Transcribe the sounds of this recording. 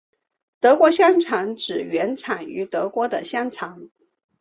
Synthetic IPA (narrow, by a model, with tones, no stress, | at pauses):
t̪ɤ˧˥kwɔ˧˥ɕjɑ˥ŋʈ͡ʂʰɑ˧˥ŋʈ͡ʂɻ̩˨˩ɥɛ˧˥nʈ͡ʂʰa˨˩ny̰˧˥t̪ɤ˧˥kwɔ˧˥d̪ə˨ɕjɑ˥ŋʈ͡ʂʰɑ˧˥ŋ